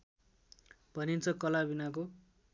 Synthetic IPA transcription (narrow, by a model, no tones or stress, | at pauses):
b̥ʱʌnint͡sʰʌkʌlabinak̬o